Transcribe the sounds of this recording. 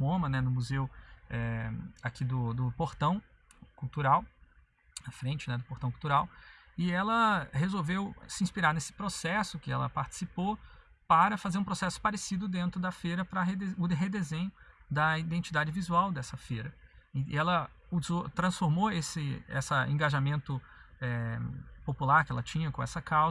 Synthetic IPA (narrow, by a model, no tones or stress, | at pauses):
mõmɐnɛnʊmuzewɛakʰid̪ʊd̪ʊpoɾt̪ɐ̃w̃ | kuwt̪uɾaw | ɐfɾẽnt͡ʃɪnɛd̪ʊpoɾt̪ɐ̃w̃kuwt̪uɾaw | ɪɛlɐhezowvewsɪĩspiɾaɾnesɪ̥pɾosɛsʊkɪɛ̰lɐ̰paɾt͡ʃɪ̥sipo | paɾɐfazeɾũpɾosɛsʊ̥paɾesid̪ʊd̪ẽnt̪ɾʊd̪ɐfejɾɐpɾɐɦed̪eʊɦed̪ezẽɲʊd̪ɐid̪ẽnt͡ʃid̪ad͡ʒɪvizuawd̪ɛsɐfejɾɐ̰ɛlɐ | uzot̪ɾɐ̃sfoɾmoesɪɛ̰sɐḛ̃ŋɡaʒamẽnt̪ʊ | ɛpopulaɾkɪɛlɐt͡ʃĩɲɐkõɛsɐkawz